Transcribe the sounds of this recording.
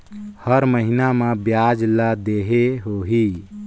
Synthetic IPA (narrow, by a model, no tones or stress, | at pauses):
həɾməɦinamẽbjad͡ʒləd̪eɦeɦoɦi